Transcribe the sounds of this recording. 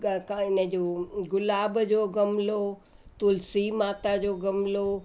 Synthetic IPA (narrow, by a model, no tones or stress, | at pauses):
kaɪnəd͡ʑoːɡʊlaːbd͡ʑoːɡɐmlot̪ʊlsimaːt̪ad͡ʑoːɡɐmlo